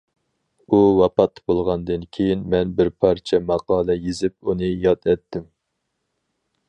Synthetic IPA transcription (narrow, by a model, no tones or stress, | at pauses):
uwɑpɑt̪ːbolˠʁɑnd̪ɨnkʲʰejinmɛnbɪɾpʰɑɾt͡ʃʰɛmɑqɑːlˠɛjezɪp̚unɨjɑt̪ʰɛt̪ʰːɪm